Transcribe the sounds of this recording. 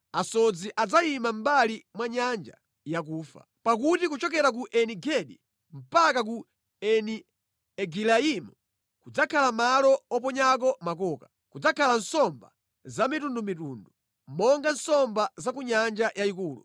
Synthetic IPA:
asɔd͡ziʔad͡zaimam̩balimwaɲand͡ʒa̰ | jak̬uːfa̰ | pak̬utikut͡ʃɔk̬ɛɾak̬uʔɛniɡɛɗḭ | m̩pakak̬u | ɛni | ɛɡilaimu | kud͡zakʰalamalɔɔp̬ɔɲak̬ɔmak̬ɔːka | kud͡zakʰalan̩sɔmba | zamitundumituːndu | m̩mɔŋɡan̩sɔmbazakuɲand͡ʒajaikuːlṵ

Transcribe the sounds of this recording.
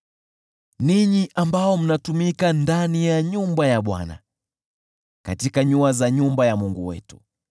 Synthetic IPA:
niɲiʔambaɔm̩natumikandanijaɲumbajaɓwa̰na̰ | katikaɲuazaɲumbajamuŋɡuwɛ̰tu̥

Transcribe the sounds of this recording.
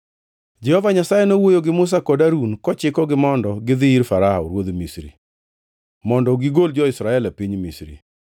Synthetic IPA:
d͡ʒɛhɔvaɲasajenowojoɡɪmʊs̬akɔdaɾunkɔt͡ʃɪkɔɡɪmɔndɔɡɪd̪ɪiɾfaɾaɔɾwod̪misɾḭ | mɔndɔɡiɡold͡ʒɔɪsɾaɛlapiɲmisɾḭ

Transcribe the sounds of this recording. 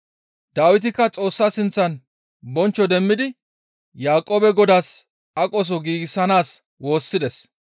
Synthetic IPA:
d̪aːwɪt̪̬ɪkːɐt͡sʼo̞ːsːaːsɪnt͡sːɐn | bɔnt͡ʃːɔd̪ɛmːɪd̪ɪ | jaːkʼːoːbɛɡɔd̪aːs | ɐkʼɔs̬ɔɡiːɡɪsːɐnaːs | wo̞ːsːɪd̪ɛs

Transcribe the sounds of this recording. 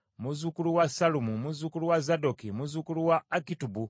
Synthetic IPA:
muzukuluwasalumumuzukuluwazadokimuzukuluwaːkitubu

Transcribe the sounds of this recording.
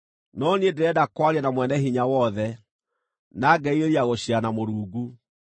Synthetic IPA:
nɔniedeɛdakwaɾianamwɛnɛɦiɲawɔðɛ | naɡɛiɾeɾiaɣoɕianamoɾuːɡu

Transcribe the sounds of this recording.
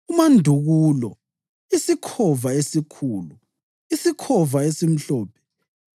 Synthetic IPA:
umandʱuɣuːlɔ | isikʰɔvaesikʰuːlu | isikʰɔvaesim̩ɬɔːpʰɛ̥

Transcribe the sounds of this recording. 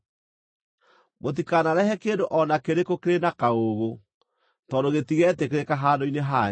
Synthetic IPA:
mot̬ikanaɾɛhɛkeːndoʔɔnakeɾekokeɾenakaoɣo | tɔdoɣetiɣɛtekeɾekaɦaːdoineɦa

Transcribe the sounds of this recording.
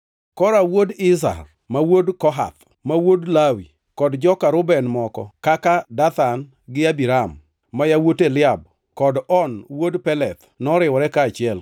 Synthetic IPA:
kɔɾawodɪs̬a̰r | mawodkɔɦa̰t̪ | mawodlawi | kɔdd͡ʒɔkaɾʊbɛnmɔkɔ̰kakadat̪an | ɡɪabiɾamː | ajawotelɪab | kɔdɔnwodpɛlɛt̪ | nɔɾɪwɔɾɛkaːt͡ʃɪɛl

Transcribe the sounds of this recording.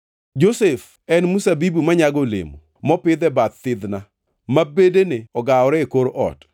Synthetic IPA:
d͡ʒosef | ɛnmusabibumaɲaɡolḛmṵ | mɔpɪd̪ɛbat̪tɪd̪na | mabedeneɔɡaɔɾɛekoɾʔɔ̰t

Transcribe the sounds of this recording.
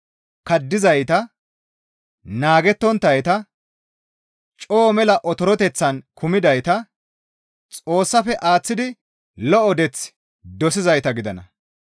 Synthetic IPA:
kɐd̪ːɪzɐjt̪ɐ | naːɡɛt̪ːɔnt̪ːɐjt̪ɐ | t͡ʃʼoːmɛlɐʔɔt̪ɔɾɔt̪ɛt͡sːɐnkʊmɪd̪ɐjt̪ɐ | t͡sʼo̞ːsːɐfɛʔaːt͡sːɪd̪ɪ | lɔɔd̪ɛt͡s | d̪ɔsɪzɐjt̪ɐɡɪd̪ɐnɐ̰

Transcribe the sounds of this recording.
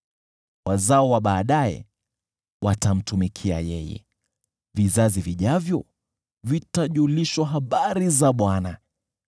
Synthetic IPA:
wazaɔwaɓaːɗaɛ̰ | watam̩tumikʰia̰jɛjɛ̰ | vizaziviʄavjɔ | vitaʄuliʃwaɦaɓaɾizaɓwana

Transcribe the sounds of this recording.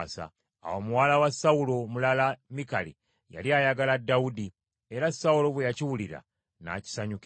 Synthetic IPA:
sa̰ | a̰womuwaːlawasːaulo̞mulalamikalḭ | ja̰liajaɡaladːaudi | e̞ɾasːaulo̞βwejaciwuliɾa̰ | na̰ci̥saɲuk

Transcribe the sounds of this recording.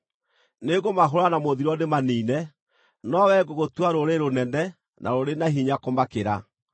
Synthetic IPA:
neɣomaɦoɾanamoðiɾɔnemaniːnɛ | nɔwɛɡoɣotwaɾoɾeɾonɛnɛ | nʔa̰ɾoɾenaɦiɲakomakeɾa

